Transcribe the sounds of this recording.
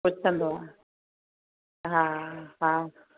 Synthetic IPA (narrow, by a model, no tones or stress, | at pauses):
pʊt͡ʃʰə̃nd̪oã | ɦãɦã